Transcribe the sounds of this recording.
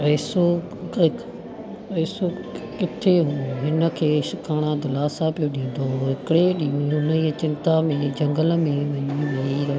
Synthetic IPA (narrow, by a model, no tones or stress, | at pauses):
ɐːso | ɐːsokɪt̪ʰeɦũːɦɪnə̆kʰeːʃɪkʰaːɽ̃ãd̪ɪlaːsapijoɗĩːn̆d̪oɦɪkɪɽeɗĩũɦʊnəiːt͡ɕɪ̃nt̪amẽd͡ʑɐ̃ŋɡəlmẽʋɐɲĩɦɐiɾɐ